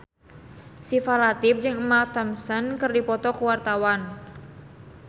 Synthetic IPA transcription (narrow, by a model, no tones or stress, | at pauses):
sifalat̪ɪp̚d͡ʒɨŋmat̪əmsənkɨrdipɔt̪ɔkuwart̪awan